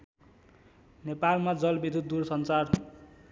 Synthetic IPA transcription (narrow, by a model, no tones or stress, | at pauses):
nepalmad͡zʌlbid̪ʱut̪̚d̪uɾsʌnt͡sar